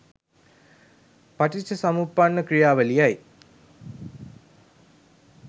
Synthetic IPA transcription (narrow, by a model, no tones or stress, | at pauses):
paʈit͡ʃːəsamupːanːəkɾijaːʋəlijaj